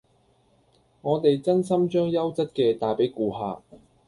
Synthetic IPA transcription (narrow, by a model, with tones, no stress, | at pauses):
ŋɔː˨˧t̪e˨jt͡sɐ˥nsɐ˥mt͡ʃœː˥ŋjɐ˥wt͡sɐ˥t̚kɛː˧t̪aː˨jpe˨˥jkuː˨˧ɦa̰ː˧